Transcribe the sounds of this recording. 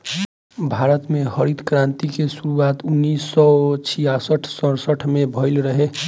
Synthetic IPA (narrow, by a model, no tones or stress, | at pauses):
bʱaɾət̪mehəɾid̪kɾãnt̪ikesuɾuat̪unːisːɔt͡ʃʰijasəʈʰsə̃ɾsəʈʰmebʱəɪlɾəɦe